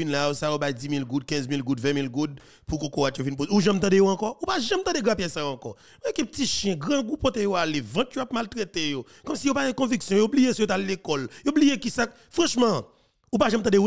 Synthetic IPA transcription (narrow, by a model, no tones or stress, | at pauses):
inlajosajobajd͡zimilɡud̪̚kɛ̃zmilɡud̪vɛ̃milɡud̪̚ | pukokowatjovinp̬ozeuʒãmt̪ãdejoãkɔupaʒɐ̃mt̪ãdeɡãpjɛsajoãkɔ | m̃ɛkɛ̃pətiʃjɛ̃ɡʁãɡupɔt̪ejoalevɐ̃t̪joap̚malt̪ʁet̪ejo | kɔmsijopaɡɛ̃kɔ̃viksjɔ̃joblijesɔjot̪alekɔljoblijekisak | fʁɑ̃ʃmɐ̃ | upaʒãmt̪ãdeu